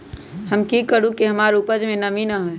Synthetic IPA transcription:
hɐmkikəɾũkiɦɐmaːɾupəd͡ʒmẽnɐmiːnaɦɛː

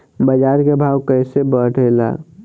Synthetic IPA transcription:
bəd͡ʒaːɾkebʱaːwkəɪsebəʈʰela̰ː

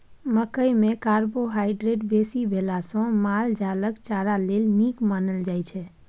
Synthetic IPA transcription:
məkəjmekaɾboɦaɪɖɾeʈbesibʱelasɔ̃mald͡ʒaləkt͡ʃaɾalelnikmanəld͡ʒajt͡ʃʰɛ

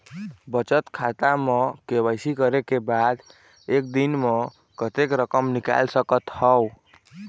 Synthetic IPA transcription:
bət͡ʃət̪kʰat̪amekebəjsikəɾekebad̪ | ek̚d̪inme | kət̪ekɾəkəmnika̰lsəkət̪həw

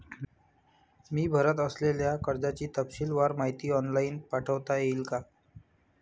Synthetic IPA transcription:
miːbʱəɾət̪əsleljakəɾd͡zat͡ɕiːt̪əpɕiːlʋaɾmaɦit̪iːɔnlainpaʈʰəʋt̪ajeilka

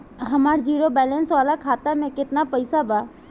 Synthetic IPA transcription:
ɦɐmaːɾd͡ʒiːɾobɛːlɛ̃nsʋaːlakʰaːt̪amẽkɪt̪napɐɪsabaː

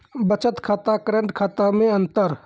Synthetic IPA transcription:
bət͡ʃət̪kʰaːt̪akɾẽɳʈkʰaːt̪amẽənt̪əɾ

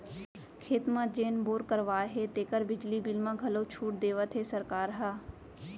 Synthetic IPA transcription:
kʰeːt̪mãːd͡ʒeːnboːɾkəɾʋaːɦeːt̪eːkəɾbɪd͡ʒliːbɪlmãːɡʱɐloːt͡ʃʰuːʈ̚d̪eːʋət̪ʰɦeːsəɾkaːɾɦaː

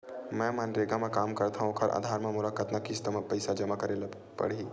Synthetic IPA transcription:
mɛ̃manɾeɡamẽkaːmkɐɾt̪aɦũkʰɐɾʔa̰ːd̪ʱaːɾmãmʊlakət̪nɐkist̪mpəɪsad͡ʒɐmakəɾel | pɐ̰ɽiː

